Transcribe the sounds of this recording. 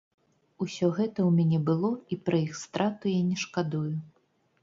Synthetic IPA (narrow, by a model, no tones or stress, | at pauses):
usʲɔɣɛt̪ɐwmʲanʲɛbɨlˠɔipɾɐixst̪ɾʔat̪ujanʲɛʂkad̪ujʊ